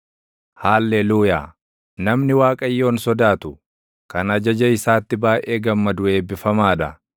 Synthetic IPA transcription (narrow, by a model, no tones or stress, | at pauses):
haːlːeluːja̰ː | nɐmnɪwaːkʼɐjːo̞ːnsɔd̪aːt̪ʊ | kɐnɐd͡ʒɐd͡ʒɐɪsaːt̪ːɪbaːʔe̞ːɡɐmːɐd̪ʊe̞ːbɪfɐmaːᶑɐ